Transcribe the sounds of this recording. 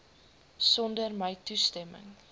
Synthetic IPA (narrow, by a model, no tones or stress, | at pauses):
sɔndərməjtustɛmə̰ŋ